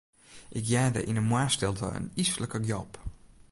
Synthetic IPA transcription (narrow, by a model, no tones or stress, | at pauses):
ʔɪkjɛdə̰ʔɪnənmwaɹstɪlˠtə̰ə̰nisələkəɡjɔp